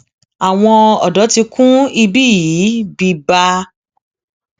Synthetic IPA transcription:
a˨w̃ɔ̃˧ɔ˨dɔ˨˦ti˧kʰũ˦i˧bi˦ji˨˦bi˧ba˧

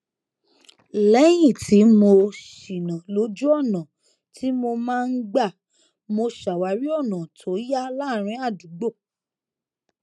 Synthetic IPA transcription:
lɛ˨˦j̃ĩ˦˨tʰi˨˦mo˧ʃi˨nã˨lo˨˦d͡ʒu˦ɔ˦˨nã˨ | tʰi˦mo˧mãː˦˧n̩˦ɡ͡ba˦˨ | mo˧ʃa˨wa˨˦ɾi˦ɔ˦˨nã˨tʰo˨˦ja˦la˦˨ɾ̃ĩ˧˦a˦˨du˨˦ɡ͡bo˦˨

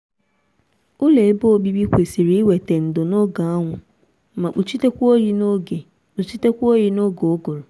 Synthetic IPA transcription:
ʊ˦le˨˦bo˦o˨bi˦bi˦kʷe˨si˨ɾi˨˦we˨te˨n̩˨dʊ˨no˦ɡa˨a˦ŋʷʊ˨˦ | mã˨k͡pu˨t͡ʃi˦te˦kʷu˦o˦ji˦no˦ɡe˨ | k͡pu˨t͡ʃi˦te˦kʷu˦o˦ji˦no˦ɡo˨˦ɡo˨ɾo˨

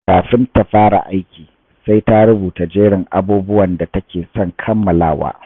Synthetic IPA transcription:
kaː˨ɸɪ˦nta˨ɸaː˦ɽa̰˨ʔa˦jkʲiː˨ | sa˦jta˦ɾʊ˦buː˨ta˨d͡ʒeː˦ɽɪ˨ŋʔa̰˦buː˦bʊ˦wɐ˨nda˨tɐ˦kʲeː˨sɔ˦ŋkʰɐ˦mːɐ˨laː˦˨wa̰ː˦

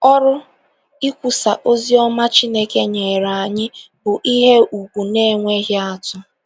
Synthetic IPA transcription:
ɔ˦ɾʊ˦ | i˦kʷu˨sa˨ʔo˦zi˦ɔ˦ma˦t͡ʃi˦ne˦ke˦ɲe˨ɾa˨a˨ɲɪ˦ | bʊ˨ʔi˦ɦe˦ʔu˨kʷu˨ne˦ŋʷe˦ɦɪ˦a˦tʊ˦

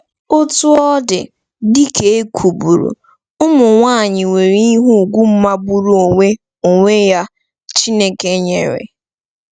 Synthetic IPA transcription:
ʊ˦tu˦ɔ˦dɪ̰˨ | di˦ke˦e˦kʷʰu˨bu˨ɾṵ˨ | ʊ˦mʊ˨ŋʷa˦˨ɲɪ˨ŋʷe˨ɾi˦i˦ɦu˦˨ɡʷu˦m̩˦ma˦ɡ͡bu˦ɾu˦o˨ŋʷe˦ | o˨ŋʷe˦ja˦ | t͡ʃi˦ne˦ke˦ɲḛ˨ɾḛ˨

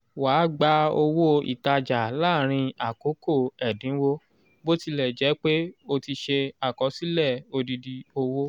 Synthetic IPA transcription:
waː˨˦ɡ͡ba˦o˧wo˦ḭ˨ta˧d͡ʒa˨laː˦˨ɾ̃ĩ˧a˨ko˨˦ko˦˨ɛ˨dĩ˨˦wo˦ | bo˦ti˧lɛ˨d͡ʒɛ˨˦k͡pe˦o˧ti˧ʃe˧a˨kɔ˨˦si˦lɛ˦˨o˧di˧di˧o˧wo˦

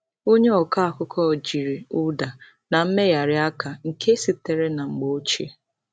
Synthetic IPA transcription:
o˦ɲe˦ɔ˨ka˦a˨kʊ˦kʰɔ˦˨d͡ʒi˨ɾe˨ʊ˦da˨ | na˨m̩˦me˦ja˨ɾɪ˦a˦ka˨ŋ̩˨kʰe˦si˨te˨ɾe˦na˨ŋ͡m̩˨ɡ͡bo˦t͡ʃḛ˦

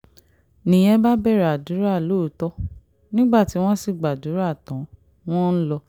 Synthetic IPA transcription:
nĩ˨j̃ɛ̃˦ba˦bɛ˦˨ɾɛ˨a˨du˨˦ɾa˦˨lo˦˨˦tɔ˦ | nĩ˦ɡ͡ba˦˨ti˨˦w̃ɔ̃˦si˦˨ɡ͡ba˨du˨˦ɾa˦˨tɔ̃˨˦ | w̃ɔ̃˦n̩˦lɔ˧

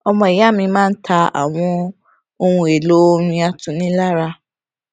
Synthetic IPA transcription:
ɔ˧mɔ̃˧˨i˨ja˨˦˨mĩ˧mãː˦n̩˦tʰa˧a̰˨w̃ɔ̃˧ | o˧ũ˧e˨lo˨˦˧ɾ̃ĩ˧a˧tũ˨˧nĩ˦la˦ɾa˧

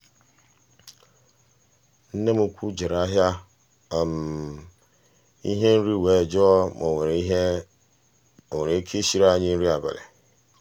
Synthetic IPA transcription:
n̩˦nẽ˦mu˨kʷʰu˦d͡ʒe˨ɾa˦ɦja˦˨ | m˨ | ḭ˦ɦe˦n̩˦ɾi˦˨we˨d͡ʒo˦ɔ˦mo˨ɾ | o˨we˨ɾe˨˦kʰe˦ɕi˦ɾa˦˨ɲĩ˦n̩˦ɾi˦a˨bɛ̰˨lḛ˨

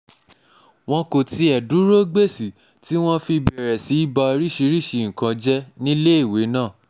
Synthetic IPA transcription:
w̃ɔ̃˧ko˨ti˧ɛ˨du˨˦ɾo˦ɡ͡be˦˨si˨ | ti˦w̃ɔ̃˦fi˧bɛ˨ɾɛ˨si˨˦i˦ba˧ɾi˦ʃi˧˦ɾi˦˨ʃi˧˨ŋ̩˨kã˧d͡ʒɛ˦nĩ˦le˦e˦˨we˨˦nãː˦˨

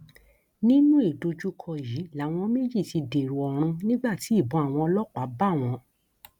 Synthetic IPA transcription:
nĩ˦nũ˦e˦˨do˧d͡ʒu˦kʰɔ˧˨ji˨˦la˨˦w̃ɔ̃˧me˦d͡ʒi˦˨ti˧de˨ɾu˨ɔ˨ɾ̃ũ˧nĩ˦ɡ͡ba˦˨ti˨˦i˦˨bɔ̃˨˧a˨w̃ɔ̃˧ɔ˧lɔ˦k͡pa˨˦ba˦˨w̃ɔ̃˧

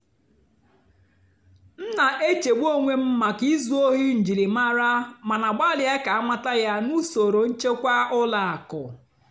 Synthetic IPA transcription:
n̩˦na˨ʔe˦t͡ʃe˨ɡ͡bʷo˦ŋʷe˦m̩˦ma˨ki˦zu˦o˦ɦi˦n̩˨d͡ʒi˨li˨ma˦ɾa˦ma˨na˨ɡ͡ba˦lɪ˨˦a˦ka˨a˦ma˦ta˦ja˦nu˦so˨ɾo˨n̩˦t͡ʃe˦kʷa˦ʊ˦la˨a˨kʊ˨

